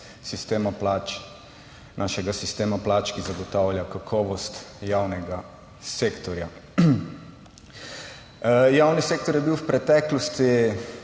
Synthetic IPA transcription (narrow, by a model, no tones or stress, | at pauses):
sist̪eːmaplat͡ʃ | nʔaːʃɛɡasist̪eːmaplat͡ʃkizaɡɔt̪aːwljakakʰɔːʋɔst̪jaːwnɛɡa | sekt̪ɔɾja | jaːwniseːk̚t̪ɔɾjɛbiwwpɾɛt̪ɛklɔst̪i